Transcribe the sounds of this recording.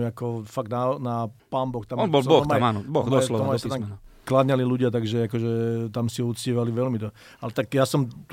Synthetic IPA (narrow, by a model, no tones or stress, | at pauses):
akɔfaɡd̪nanapaːmbɔxt̪amɔnbɔlbɔɔmaamaːnɔbɔɣd̪ɔlɔɔmt̪aklad̪ɲaliluɟɪat̪aɡʒɛakɔʒɛt̪amsiut͡sciːʋaliʋɛlmid̪ | alɛt̪akjaːsɔmt̪